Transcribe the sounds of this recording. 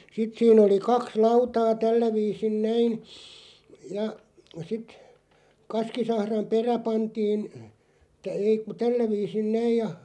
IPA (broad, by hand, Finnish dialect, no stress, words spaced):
sit siːn oli kɑks lɑutɑː tælːæ ʋiːsin næin jɑ sit kɑskisɑhrɑm peræ pɑntiːn ei ku tælːæ ʋiːsin næij jɑ